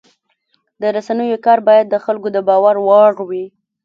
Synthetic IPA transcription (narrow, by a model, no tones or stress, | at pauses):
d̪əɾasanəjokɑɾbɑjad̪ːəxalkod̪əbɑwaɾwɑɽwi